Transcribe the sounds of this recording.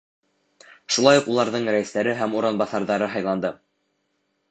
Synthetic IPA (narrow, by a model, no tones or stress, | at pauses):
ʃulˠɑjuqulˠɑɾðɤɴɾæjɘ̆st̪æɾɘɦæmuɾɑnbɑθɑɾðɑɾɤɦɑjlˠɑnd̪ɤ